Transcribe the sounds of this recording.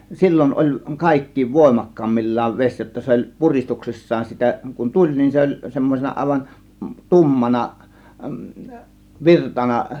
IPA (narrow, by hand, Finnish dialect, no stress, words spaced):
silʲːon olʲ kɑˑe̝kːiːʋ ʋoˑe̝mɑkːɑːmːilʲːɑːʋ ʋesʲ jotːɑ olʲ puristuksisːɑːn sitæ kun tulʲ nin se olʲ semːosenɑ ɑˑe̝ʋɑn tumːɑnɑ ʋirtɑnɑ